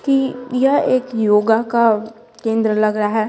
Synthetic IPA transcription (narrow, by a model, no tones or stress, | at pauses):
kijɐeːkjoːɡaka | kẽːnd̪ɾəlɐɡɾaaɦɛː